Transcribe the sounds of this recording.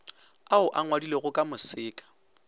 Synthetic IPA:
aʊʔaŋwadileɣʊkʼamʊsɪːkʼḁ

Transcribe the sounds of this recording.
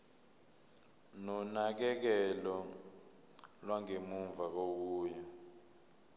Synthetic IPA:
nɔnak̬ɛk̬ɛlɔ | lwaŋemuɱvʱak̬ok̬uːja

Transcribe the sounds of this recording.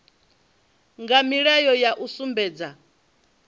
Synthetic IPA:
ŋɡamiɺɛjɔjaʔusumbɛːd͡za

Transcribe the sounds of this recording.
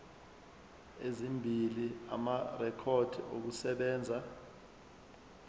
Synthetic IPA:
ezimbʱilia̰marɛkʰod̥ʱiok̬usɛɓɛːnd͡zʱa

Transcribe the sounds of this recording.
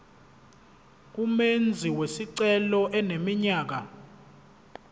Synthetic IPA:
k̬umend͡zʱiwesiǀɛlɔʔɛnemiɲaːk̬a

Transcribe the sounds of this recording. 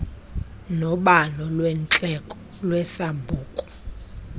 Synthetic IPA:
nɔɓalɔlwɛnt͡ɬʼɛkʼ | lwɛsambʱuːkʼɔ̥

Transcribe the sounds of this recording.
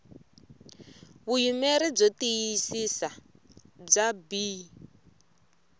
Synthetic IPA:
βujumeɾib͡ʐɔtijisisa | b͡ʐabi

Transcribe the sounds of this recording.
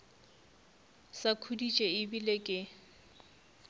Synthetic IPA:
sakʰudit͡ʃʼeɪbilekʼɪ

